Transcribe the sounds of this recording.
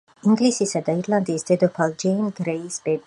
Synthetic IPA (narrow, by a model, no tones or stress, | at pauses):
iŋɡlisisad̪aiɾland̪iːsd̪̥ɛd̪ɔpʰalˠd͡ʒɛnɡɾɛisb̥ɛ